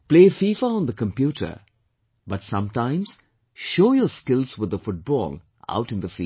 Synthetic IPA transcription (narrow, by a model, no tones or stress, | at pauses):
pleːfifaə̃nd̪əkə̃mpjuʈə̰ | bʌtsʌ̃mtãɪ̃mz̥ | ʃoːjəskɪlzwɪd̪əfʊʈ̚b̥ɔ̰ːl | ʔa̰ʊʈɨ̃nðəfḭ